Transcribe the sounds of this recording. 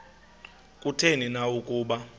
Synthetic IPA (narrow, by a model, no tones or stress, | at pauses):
kʼutʰeninawukʼuːɓa